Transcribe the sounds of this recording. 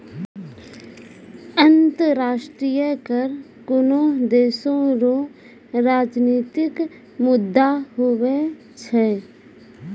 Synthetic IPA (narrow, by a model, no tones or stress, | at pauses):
ənt̪əɾaːʃʈɾiːjəkəɾ | kʊnõd̪eːsõɾo | ɾaːd͡ʒniːt̪ɪk | mʊd̪ːaɦowe | t͡ʃʰɛː